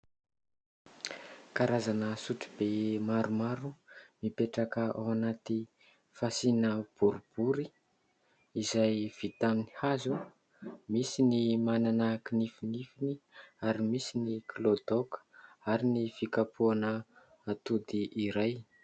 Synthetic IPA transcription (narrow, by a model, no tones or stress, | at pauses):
kaɾazanəsuʈ͡ʂi̥bemaɾumaɾumipeʈ͡ʂakəawanat̪i | fasinəb̥uɾub̥uɾi | izajv̥it̪aminihazu | misinimananəkinifinifiniaɾimisiniklod̪okə̥aɾinifikapʰuanə | at̪ud̪iʔːɾaj